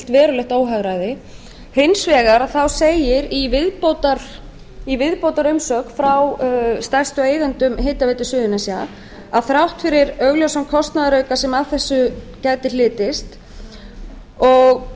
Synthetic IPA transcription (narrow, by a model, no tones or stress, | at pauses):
t̪vɛːɾʏlɛht̪oːwɦaɣɾajðɪ | hɪnsvɛːɣaɾaðθawseːjɪɾivɪðpoːt̪aɾ̥ | ivɪðpowt̪aɾʏmsœːkfɾawst̪ajst̪ʏeːjðant̪ʏmɦeːt̪avɛjt̪ɪsʏːðʏnasja | aðθɾawht̪fɪɾɪɾœɣljɔwsankʰɔst̪naðaɾœːɥkasɛmaðθɛsːʏ | cajt̪ɪlɪːt̪ɪst̪ | ɔɣ